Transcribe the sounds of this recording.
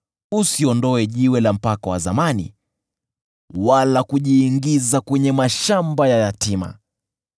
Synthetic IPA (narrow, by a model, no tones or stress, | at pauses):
usiɔndɔɛʄiwɛlam̩pakawazamanḭ | walakuʄiːŋɡizakwɛɲɛmaʃambajajatima̰